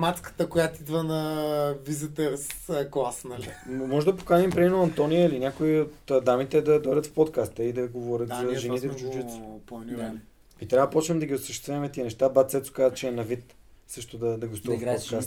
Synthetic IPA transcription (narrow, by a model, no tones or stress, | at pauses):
mat̪skə̥t̪əkojat̪id̪vənɐvizit̪ɛɾsklˠasnɐlimɔʒɛd̪ɐpo̥kanɛmpɾɛd̪imɛnoɐnt̪ɔnijəilinʲakoiot̪ːd̪amit̪ɛd̪ɐd̪ɔɛɾʲət̪fpɔt̪kast̪əid̪ɐɡovɔɾʲət̪zɐʒɛnit̪ɛvd͡ʒud͡ʒui̥nd̪a | it̪ɾʲavəəpɔt͡ʃnɛmd̪ɐɡʲiosɐʃt̪ɛst̪vʲɛvɐmɛt̪iənɛʃt̪abat̪sɛt̪sʊ̥kazət͡ʃɛːnɐvit̪ | sɤʃt̪od̪ɐd̪ɐɡost̪uvɐt̪pot̪kast̪